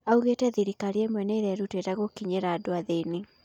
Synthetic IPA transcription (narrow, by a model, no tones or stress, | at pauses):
auɣetɛðiɾikaɾiemwɛneɾɛɾutetaɣokiɲeɾadoaðeni